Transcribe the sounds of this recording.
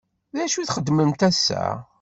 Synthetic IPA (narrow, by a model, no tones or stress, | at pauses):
ðæʃuθχəd̪ːməmt̪æsːæ̰